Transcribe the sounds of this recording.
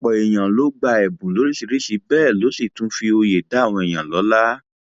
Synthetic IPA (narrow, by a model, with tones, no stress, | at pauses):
k͡pɔ˨e˨j̃ã˨lo˨˦ɡ͡ba˧ɛ˨bũ˨lo˨˦ɾi˦si˧ɾi˦si˧bɛː˦˨lo˨˦si˦˨tũ˨˦fi˧o˧je˨da˨˦˨w̃ɔ̃˧ɛ˨j̃ã˨lɔ˨˦la˦